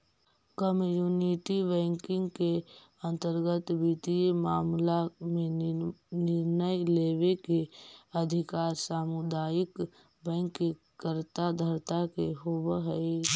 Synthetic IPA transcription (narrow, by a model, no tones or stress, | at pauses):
kəmjuːniʈibɛ̃ːŋkɪ̃ŋɡke | ə̃nt̪əɾɡət̪bit̪iemaːmlamẽ | nɪɾnəjleːwekeəd̪ʱɪkaːɾsaːmud̪aːjɪk | bɛ̃ːŋkːe | kəɾt̪ad̪ʱəɾt̪akeɦobɦəi